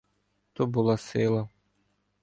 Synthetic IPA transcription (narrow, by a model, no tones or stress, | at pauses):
t̪ɔbʊlˠɑsɪlˠɐ